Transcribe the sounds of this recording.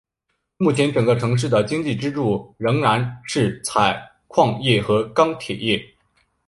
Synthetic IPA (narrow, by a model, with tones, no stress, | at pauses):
mu˥˩t͡ɕʰjɛ˧˥nʈ͡ʂɤ˨˩ŋɡə˧˦ʈ͡ʂʰɤ˧˥ŋʂ̬ɻ̩˥˩d̪ə˩t͡ɕi˥ŋt͡ɕi˥˩ʈ͡ʂɻ̩˥ʈ͡ʂu˥˩ɻɤ˧˥ŋɻa˧˥nʂɻ̩˥˩t͡sʰa˨˩ɪ | kʰwɑ˥˧ŋjɛ˥˩xɤ˧˥kɑ˥ŋt̪ʰjɛ˨˩jɛ˥˩